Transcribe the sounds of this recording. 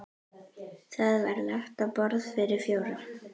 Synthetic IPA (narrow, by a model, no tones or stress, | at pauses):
θaðvaɾlaht̪apɔɾðfɪɾɪɾ̥fjoːwɾaɾ̥